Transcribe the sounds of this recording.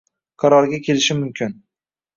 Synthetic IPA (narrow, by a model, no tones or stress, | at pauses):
qʰɑɾɒɾɡʲakʲʰe̞lɪʃɪmʊmkʲʰɪn